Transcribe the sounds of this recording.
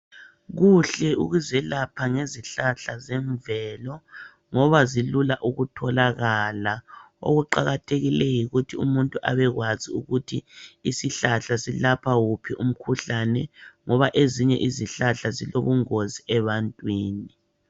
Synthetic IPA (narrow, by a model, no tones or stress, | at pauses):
ɣuɬɛuɣuzɛlapʰaŋeziɬaɬazɛɱvɛlɔ | ŋɔβazilulaʔuɣutʰɔlaɣala | o̰ɣuǃaɣatʰeɣilɛjiɣutʰiumuntʼuʔa̰βɛɣwaziuɣutʰiisiɬaɬasilapʰawupʰiʔum̩kʰuɬanɛŋɔβaʔeziɲɛ̰ʔiziɬaɬaziloβuŋoziɛβantʼwiːni